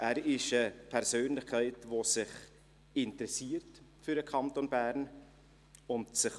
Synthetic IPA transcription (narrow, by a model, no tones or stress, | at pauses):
ʔæːɾɪʃəpʰɛɾsøːnlɪχkʰɛɪtvosɪχ | ɪntəɾɛsiːəɾtfʏɾəkʰɑntonbæːɾn | ʊntsɪχ